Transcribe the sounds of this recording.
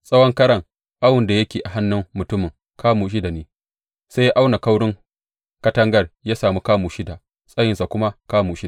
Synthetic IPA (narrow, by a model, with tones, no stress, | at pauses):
sʼɐ˦wɔ˦ŋkɐ˦ɽɐ˨ŋ | ʔa˦wʊ˨nda˨jɐ˦kʲeː˨ʔa˨ɦa˦nːʊ˦mːʊ˨tʊ˦mɪ˨ŋ | kaː˦muː˨ʃ̬ɪ˦da˨neː˨ | sa˦jʔa˦wna˨ka˦wɽɪ˦ŋ | kɐ˦tɐ˦ŋɡɐ˦rjaː˦saː˨muː˦kaː˦muː˨ʃɪ˦da˨ | sʼɐ˦jɪ˨nsa˨kʷʊ˦ma˦kaː˦muː˨ʃi˦